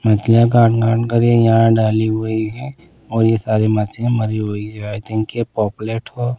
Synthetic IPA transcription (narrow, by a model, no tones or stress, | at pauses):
mɐt̪lijaɡaːʈɡãːʈɡɐɾejɦãɖaːliɦoiɦɛ | ɔːɾjesaːɾemɐt͡ʃẽmɐɾiɦoid͡ʒaːɛt̪ẽkepɔːpleːʈɦoː